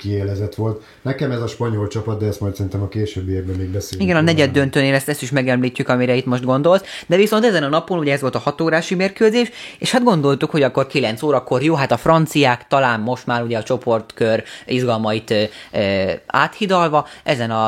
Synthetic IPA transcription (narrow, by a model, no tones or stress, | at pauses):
kieːlɛzɛt̪ʋo̞lt̪ | nɛkɛmɛzɒʃpɒɲolt͡ʃɒpɒd̪̚d̪ɛɛst̪mɒjt̪sɛɾint̪ɛmɒkeːʃøbːievbɛmːeːɡ̚bɛseːiɡɛnɒnɛɟɛd̪ːønt̪øneːlɛst̪ɛst̪iʃmɛɡɛmliːcːykɒmiɾɛit̪mo̞ʃt̪ɡo̞nd̪o̞lsd̪ɛviso̞nt̪ɛzɛnɒnɒpo̞nuɟɛɛzʋo̞lt̪ɒhɒt̪oːɾaːʃimeːrkøːzeːʃeːʃhad̪ɡo̞nd̪o̞lt̪ukho̞ɟɒkːo̞rkilɛnt̪soːɾɒkːo̞rjoːɦat̪ɒfrɒnt̪sijaːkt̪ɒlaːmmo̞ʃt̪maːɾuɟɛɒt͡ʃo̞po̞rt̪køriʒɡɒlmɒit̪ː | a̰ːt̪hid̪ɒlvɒʔɛzɛnɒ